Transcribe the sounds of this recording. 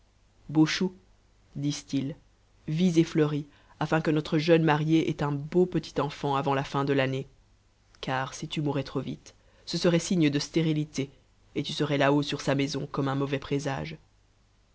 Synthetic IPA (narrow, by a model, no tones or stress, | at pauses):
boʃu | d̪ist̪il | vizefləʁi | afɛ̃kənɔt̪χəʒœnmaʁjeʔɛt̪ɛ̃bopət̪i̥t̪ɑ̃fɑ̃avɑ̃lafɛ̃d̪əlane | kʰaːʁsit̪ymuʁɛt̪χovit̪ | səsəʁɛsiɲəd̪əst̪eʁilit̪e | et̪ysəʁɛlaosyʁsamɛzɔ̃kɔmɛ̃mɔvɛpχeza̰ːʒ